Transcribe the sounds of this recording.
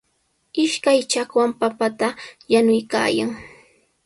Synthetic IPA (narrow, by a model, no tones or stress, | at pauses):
ɪʃkajt͡ʃakwampapat̪ajanʊjka̰ːja̰ŋ